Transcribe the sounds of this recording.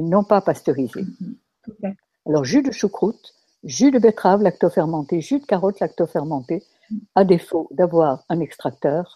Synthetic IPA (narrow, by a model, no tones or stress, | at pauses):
enɔ̃papast̪øʁizḛ | alɔʁʒyd̪əʃukχut̪ | ʒyd̪əbet̪χavlakt̪ɔfɛʁmɑ̃t̪eʒyd̪kaʁɔt̪lak̚t̪ɔfɛʁmɑ̃t̪e | ad̪efod̪avwaʁɛ̃nɛkst̪χak̚t̪œːʁ